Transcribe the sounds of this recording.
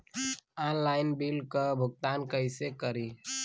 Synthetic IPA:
ɔːnlaːɪnbilkabʱʊɡ̚t̪aːnkəɪsekəɾiː

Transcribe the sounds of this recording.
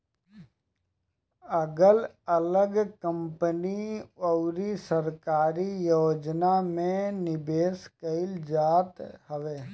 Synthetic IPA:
əɡəl | ələɡkə̃mpənioʊɾisəɾkaːɾijoːd͡ʒnamẽnɪbeːskəɪld͡ʒaːt̪ɦəʋeː

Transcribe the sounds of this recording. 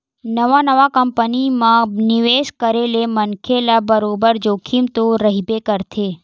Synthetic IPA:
nəʋanəʋakəmpənimãniʋeʃkəɾelemənkʰelabəɾobəɾd͡ʒokʰimt̪oɾəɦibekəɾt̪ʰe

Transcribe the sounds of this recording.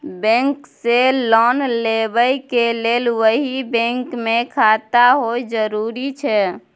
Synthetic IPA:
bɛ̃ŋkselɔnlebəjkelelʋəɦibɛ̃ŋkmekʰat̪aɦojd͡ʒəɾuɾit͡ʃʰɛ

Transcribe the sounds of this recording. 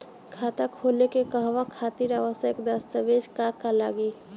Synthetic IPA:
kʰat̪akʰolekekəɦʋakʰat̪iɾaʋəsəkd̪əst̪əʋed͡ʒkakala̰ɡi

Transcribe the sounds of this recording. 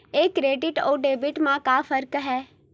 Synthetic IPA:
eːkːɾeːɖɪʈoːɖeːbɪʈmãkaːfʰəɾkɦɛː

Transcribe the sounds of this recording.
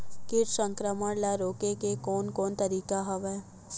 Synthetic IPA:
kɪʈsə̃ŋkɾəməɽlɛɾoːkekekoːnkoːnt̪əɾiːkaɦɐʋɛː

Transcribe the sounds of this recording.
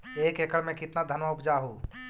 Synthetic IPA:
eːkekəɽmẽkɪt̪nad̪ʱənmaʊpd͡ʒaɦu

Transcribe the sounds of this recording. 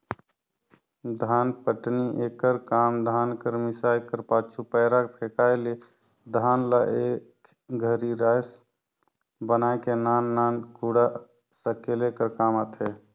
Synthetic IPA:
d̪ʱaːnpəʈniʔekːəɾkamd̪ʱaːnkəɾmisajkəɾpaːt͡ʃʰupəːɾakpʰekajle | d̪ʱaːnlaʔek | ɡʱəɾiɾajs | bənaekenanːankuɽa | səkelekəɾkamət̪ʰɦe

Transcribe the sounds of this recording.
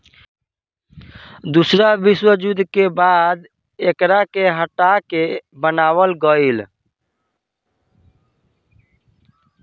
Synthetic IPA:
d̪usɾabiswəd͡ʒud̪ʱkebad̪ | ekɾakeɦəʈakebənawəlɡəɪl

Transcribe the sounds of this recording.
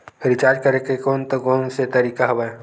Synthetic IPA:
ɾit͡ʃaɾd͡ʒkəɾekekont̪əɡonset̪əɾikaɦəbaj

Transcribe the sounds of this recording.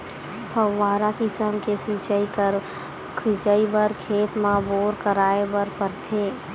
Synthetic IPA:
pʰəwːaːɾakɪsəmkesĩt͡ʃəikəɾ | kʰit͡ʃəibəɾkʰeːt̪mãboːɾkəɾaːebəɾpəɾt̪ʰeː

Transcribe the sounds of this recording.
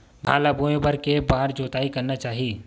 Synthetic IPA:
ba̰ːlaboẽbɐɾkebaːɾd͡ʒoːt̪aːikɐɾnat͡ʃaːɦiiː

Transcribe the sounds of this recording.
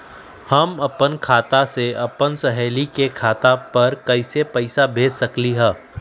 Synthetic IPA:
hɐmɐpənkʰaːt̪aseɐpənsɐɦɛːlikekʰaːt̪apɐɾkɐɪsepɐɪsabʱeːd͡ʒsɐkliɦɛ̃ː

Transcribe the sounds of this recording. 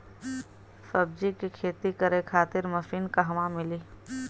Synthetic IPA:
sɐbd͡ʒikikʰeːt̪ikəɾekʰaːt̪ɪɾmɐsiːnkaɦɐʋãmɪliː

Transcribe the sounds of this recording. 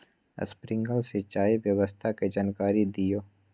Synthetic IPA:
ə̰spɾɪ̃ŋɡəlset͡ʃaːiʋjəʋəst̪ʰaked͡ʒaːnkaːɾid̪ijoː

